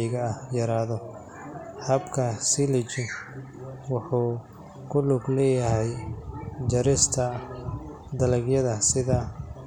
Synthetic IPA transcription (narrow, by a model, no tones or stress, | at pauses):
ɣɐːhjɐɾaːðɔ | hɐbkʰɐsɪlɪt͡ʃɪ | wɑħuː | kʰʊlʊɡlɛːjɐɦɛj | d͡ʒɐɾɪst̪ʰɐ | d̪ɐlɐɡjɐðɐsɪðɐ